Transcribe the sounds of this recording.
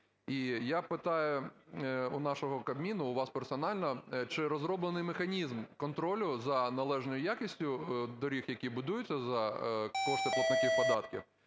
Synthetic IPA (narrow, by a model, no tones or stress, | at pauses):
ijapɪt̪ɑjʊ | ʊnɑʃɔɦɔkɐbmʲinʊːʋɑspersɔnɑlʲnɐt͡ʃɪɾɔzɾɔblˠenɪjmexɐnʲizmkɔnt̪ɾɔlʲʊzɐnɐlˠɛʒnɔjʊjakʲisʲtʲʊd̪ɔɾʲixjɐkʲibʊd̪ujʊt͡sʲːɐzɐkɔʃt̪ɪpˠɔknɐtʲiwpɔd̪ɑt̪kʲḭw